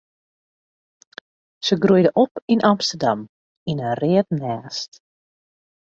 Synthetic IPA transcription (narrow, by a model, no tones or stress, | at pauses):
səɡrujdəʔɔpinʔɑmstərdɑm | inərɪətnaːst